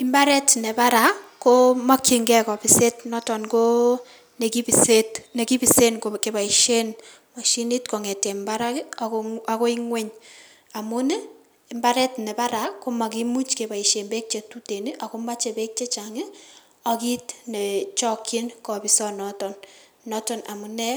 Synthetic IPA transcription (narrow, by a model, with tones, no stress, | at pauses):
ɪ˦mba˦ɾɛ˦tnɛ˨ba˦ɾa˨˦ko˦ma˦ki˦ŋɡɛ˦kɔ˨bi˨se˦tnɔ˦tɔ˨nko˦ | ne˨ki˦bisetne˨ki˦bi˨se˦nkoke˨ba˨i˨ʃe˦n | ma˨ʃi˦ni˦tko˨ŋɛ˨tɛ˨mba˦ɾa˦kaako˦i˦ŋwe˦ɲ | a˨mu˦nɛː˦˨ | mba˦ɾɛ˦tne˨ba˦ɾa˦ko˦ma˨ki˦mu˦t͡ʃke˨ba˨i˨ʃe˨nbe˦k̚t͡ʃe˨tu˦te˨ni˦ʔa˨ko˦ma˦t͡ʃe˨be˦k̚t͡ʃe˦t͡ʃa˨ŋɪ˦ | aki˦tne˨t͡ʃɔ˦kʰːi˦nkɔ˨bi˨sɔ˦nɔ˨tɔ˨nː | ɔ˦tɔ˦na̰˨mu˨nɛ˦